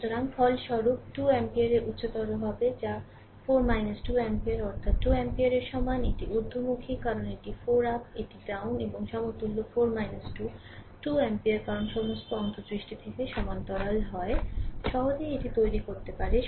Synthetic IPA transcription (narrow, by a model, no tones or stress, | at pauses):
ʃut̪oɾaŋfʰɔlʃɔɾup̚ʈuɛmpiaɾeɾʔut̪ːɕot̪ɔɾoɦɔbed͡ʑa | foɾmajnasʈuɛmpiaɾɔɾt̪ʰat̪ːuɛmpiaɾeɾʃɔmaneʈiʔuɾd̪ʱomukʰikaɾoneʈifoɾapeʈiɖawneboŋʃɔmot̪ulːofoɾmajnasʈu | ʈuɛmpiaɾkaɾonʃɔmost̪oɔnt̪osɾiʃʈit̪ʰikeʃɔmant̪ɔɾalɦɔeʃɔɦod͡ʑeeʈit̪ojɾikoɾt̪epaɾe